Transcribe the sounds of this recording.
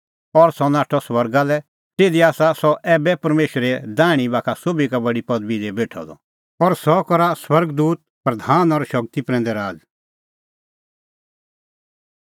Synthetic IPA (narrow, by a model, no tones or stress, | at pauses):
ɔɾsɔnaːʈʰɔswɐɾɡalɛ | t̪eːd̪iaːsasɔʔɛːbɛpɐɾmeːʃɾɛd̪aːɽ̃ibaːkʰasoːbikabɐɽipɐd̪bid̪ɛbeːʈʰɔ̰d̪ɔ̰ | ɔɾsɔkɔɾaswɐɾɡd̪uːt̪̚pɾɐd̪ʱaːnɔɾʃɐk̚t̪ipɾɛ̃ːnd̪ɛɾaːd͡z